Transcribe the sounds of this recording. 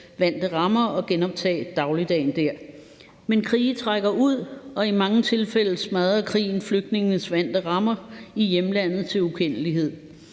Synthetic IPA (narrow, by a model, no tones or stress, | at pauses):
ʋæn̰d̥əʁɑ̈mɐɒ̽ɡ̥enɒ̽b̥̚t͡sʰɛ̰ːd̥ɑ̈ʊlid̥ɛ̰ːnd̥æɐ̰ | menkʰʁḭːt͡sʰʁaɡ̥ɐʔuð̰ˠɒ̽imɑ̈ŋət͡sʰe̝lfel̰̩smæðˠɐkʰʁḭːn̩fløɡ̥̚d̥ne̝ŋn̩sʋæn̰d̥əʁɑ̈mɐijemlæn̰ð̞̩ˠt͡sʰe̝lukʰen̰əliɦe̝ð̰ˠ